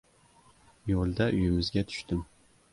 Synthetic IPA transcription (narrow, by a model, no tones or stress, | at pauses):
jolˠd̪aʔyjɪmɪzɡʲɛt̪ʰʊ̥ʃt̪ɪm